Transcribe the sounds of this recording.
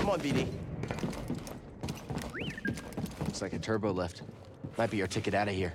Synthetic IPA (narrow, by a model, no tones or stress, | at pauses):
kʌ̃mə̃nbiɾɪ̃ŋ | ɪtslaɪkɨtʰɜ˞boʊlɪft | maɪt̚b̥ijə˞tʰɪkɨɾaʊɾɨhiɹ